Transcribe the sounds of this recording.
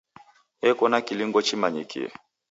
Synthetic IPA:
ɛkɔnakiliŋɡɔt͡ʃimaɲḭkḭɛ̰

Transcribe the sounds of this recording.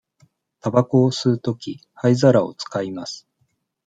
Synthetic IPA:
t̪abako̞ːsɨːt̪o̞kʲihaizaɾao̞̰t͡sɨ̥kaimasɨ̥

